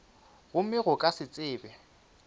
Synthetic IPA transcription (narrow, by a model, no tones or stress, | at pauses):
ɣʊmɪɣʊkʼasɪt͡sʼɪːbɛ